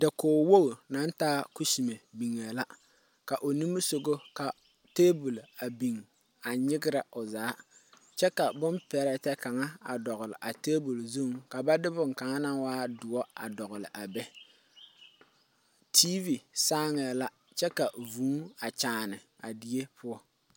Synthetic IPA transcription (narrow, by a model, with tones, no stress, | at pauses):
dɪ˨koː˨wo˦ɡo˨na˨˦n˦taː˦ku˦si˨me˨bi˨ŋːa˨la˦ | ka˨ʔo˨ni˦mɨ˦so˦ɡo˦ka˨ | teː˦bu˨la˨bi˨ŋ | a˨ɲɪ˦ɡɪ˦ɾa˨ʔo˨zaː˨˦ | t͡ʃɛ˦ka˨bʊ˦npɛ˨ɾɛ˨tɛ˦ka˨ŋa˦a̰˨dɔ˨ɣʊ˨lɪ˨ʔa˨teː˦bu˨lzu˦ŋka˨ba˦dɪ˦bʊ˦ŋ˨ka˨ŋa˦na˦ŋwaː˦dʊ˨ɔ˦a̰˨dɔ˨ɣʊ˨lɪ˨ʔa˨bɛ˦ | tʰiː˦vi˨saː˦ŋ˨a˨la˦ | t͡ʃɛ˦ka˨vuː˨˦a˨t͡ʃaː˨nɪ˨ | a˨di˦e˦pʰʊ˦ɔ˦